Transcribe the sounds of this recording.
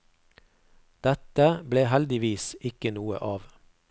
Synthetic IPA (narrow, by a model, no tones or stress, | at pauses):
d̪̥ɛt̪əbleːhɛld̪ɪʋiːsɪkənuːə̰ʔɑːʋ